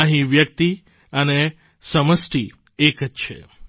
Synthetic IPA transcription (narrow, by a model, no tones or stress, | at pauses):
ə̃ɦĩʋjək̚t̪i | əne | səməsʈ̪i | ekətʃʰḛ